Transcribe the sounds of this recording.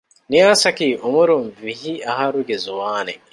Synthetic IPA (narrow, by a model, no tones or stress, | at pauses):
niasɐkiʔumuɾumvihiahaɾuɡezuwaːne